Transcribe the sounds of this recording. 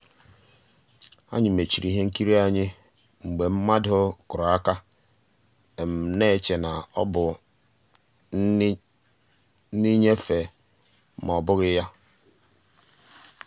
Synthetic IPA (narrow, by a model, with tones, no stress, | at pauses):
a̰˦ɲɪ˨me˨t͡ʃi˨ɾi˨ɦe˦ŋ̩˦ki˦ɾi˦a˨ɲɪ˦ | ŋ͡m̩˨ɡ͡be˨m̩˦ma˦dʊ˦kʊ˨ɾʊ˨a˦ka˦ | e˨m̩˨ne˦˨t͡ʃe˨na˨ɔ̰˦bʊ˨˦ | ni˦ɲe˦fe˨ | m˨ɔ˨bʊ˦ɣɪ˦ja˦